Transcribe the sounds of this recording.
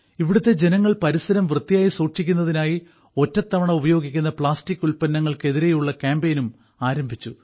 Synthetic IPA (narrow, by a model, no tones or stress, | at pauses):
iʋiɽut̪ːe̞d͡ʑe̞nɐŋːɐɭpɐɾisɐɾɐmʋrɨt̪ːijaːjisuːʈʂikʲːun̪ːɐðinaːji | o̞tːɐt̪ːɐʋɐɳɐmubɐjo̞ːɡikʲːunːɐpɭaːstikʲːulpɐnːɐŋːɐɭke̞ðiɾe̞juɭːɐkaːmbejnum | aːɾɐmbʱit͡ɕːu